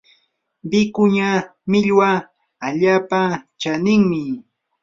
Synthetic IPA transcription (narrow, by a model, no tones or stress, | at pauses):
bɪkʊɲamɪʎwa | aʎaːpat͡ʃanɪŋmɪ